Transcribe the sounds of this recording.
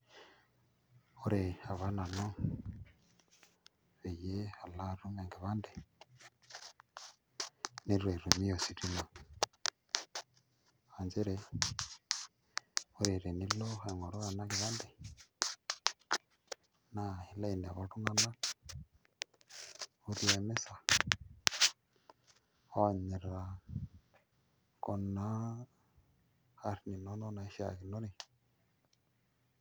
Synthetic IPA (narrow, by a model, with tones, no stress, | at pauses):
o˦ɾea˨βa˦na˨no˦ | βeje˦a˨la˦ɾu˦ŋe˨ŋɡiβa˦nde˦ | ni˦ɾwe˨ɾu˨mi˦o˨si˦ɾi˦lo˨ | anze˦ɾe | o˦ɾeɾe˨ni˦lo˦xeŋo˨ɾo˦a˨na˦ki˨βaː˦nde˨ | na˦˨hi˨la˦i˨nḛ˨βa˨tu˦ŋɡa˦na˦ | u˦ɾi˦e˨me˦sa˨ | o˦˨ɲi˨ɾa˨ | ko˨na˦ | a˨ɾi˦ni˨no˦no˦na˨i˦ʃa̰˨ki˨no˦ɾi˨